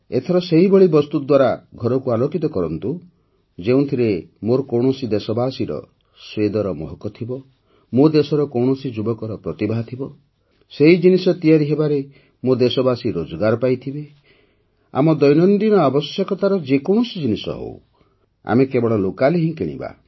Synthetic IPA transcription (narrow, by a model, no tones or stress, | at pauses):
et̪ʰɔɾɔseɦibɔɭibɔst̪ud̪waɾaɡʱɔɾɔkualokit̪ɔkɔɾɔnt̪u | d͡ʒeũt̪ʰiɾemoɾɔkɔwɳɔsid̪esɔbasiɾɔ̰ | swed̪ɔɾɔmɔ̰ɦɔkɔt̪ʰibɔ | mod̪esɔɾɔkɔwɳɔsid͡ʒubɔkɔɾɔpɾɔt̪ibʱaɦt̪ʰibɔ | seɦid͡ʒinisɔt̪ijaɾiɦebaɾe | mod̪esɔbasiɾod͡ʒɔɡaɾɔpajt̪ʰibe | a̰mɔd̪ɔjnɔnd̪inɔabɔsjekɔt̪aɾɔd͡ʒekɔɳ̃ɔsid͡ʒinisɔ̰ɦo̰w | a̰mekebɔɭɔlokaleɦĩkeɽ̃ḭba̰